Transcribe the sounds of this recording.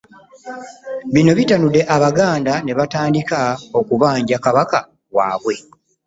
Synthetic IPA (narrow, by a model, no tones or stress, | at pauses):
βino̞βitanude̞ʔaβaɡaːndane̞βataːndikao̞kuβaːɲɟakaβaka | wa̰ːβwe̞